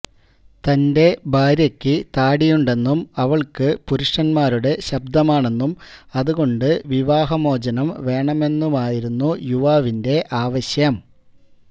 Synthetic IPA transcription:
t̪ɐnde̞baːɾjɐkʲːɨt̪aːɽijuɳɖe̞nːumɐʋɐɭkɨpuɾuʂɐnmaːɾuɽe̞ɕɐb̚d̪ɐmaːɳe̞nːumɐðuɣo̞ɳɖɨʋiʋaːɦɐmo̞ːd͡ʑɐnɐmʋe̞ːɳɐme̞nːumaːjiɾunːujuʋaːʋinde̞ʔaːʋɐɕjɐm

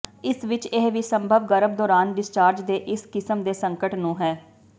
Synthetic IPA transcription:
ɪsʋɪt͡ʃeɦʋiːsəmbʱəbɡəɾəb̚d̪ɔːɾaːnɖɪst͡ʃaːɾd͡ʒd̪eːʔɪskɪsəmd̪eːsəŋkəʈnũːɦɛː

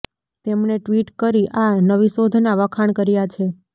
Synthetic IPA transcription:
t̪emneʈʋiʈkəɾiʔanəʋisod̪ʱnaʋəkʰaɳkəɾjat͡ʃʰe

